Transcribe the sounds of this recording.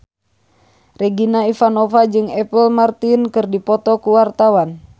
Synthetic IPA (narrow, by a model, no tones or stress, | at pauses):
rɛɡinaifanɔfad͡ʒɨŋɛpəlmart̪inkɨrdipɔt̪ɔkuwart̪awan